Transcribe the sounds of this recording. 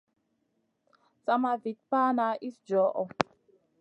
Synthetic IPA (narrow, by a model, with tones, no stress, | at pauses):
sa˦ma˨vi˨t̪̚pa˦na˨˦ʔi˦sd͡ʒɔ˨˦ʔɔ˨